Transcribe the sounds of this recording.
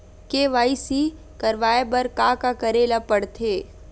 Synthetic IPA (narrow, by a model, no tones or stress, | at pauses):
keʋaːisi | kɐɾʋaːebəɾkakakɐɾeːlapɐɽt̪ʰeː